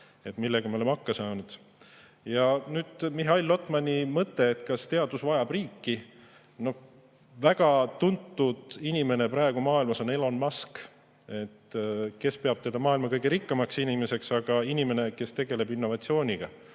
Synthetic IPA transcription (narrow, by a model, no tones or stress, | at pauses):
e̞t̪ːˑmilːeɡ̥ɑmeolemɑkːɑsɑːnud̪̥ | jɑnyːd̪̥miɦɑilːo̞t̪ˑmɑnʲimɤt̪ːe̞ːt̪kɑst̪e̞ɑd̪̥usvɑjɑb̥riːkːi | no̞h | væɡ̥ɑt̪unt̪ːud̪̥inʲime̞ne̞pɾɑeɡ̥umɑːilmɑso̞ne̞lo̞nmɑsk | e̞t̪ːke̞spe̞ɑb̥̚t̪e̞d̪ɑmɑːilmɑkɤjɡ̥eɾikːɑmɑksinʲime̞se̞ksɑɡ̥ɑinʲime̞ne̞ke̞st̪e̞ɡ̥e̞le̞binːo̞vɑt̪sio̞ːnʲiɡ̥ɑ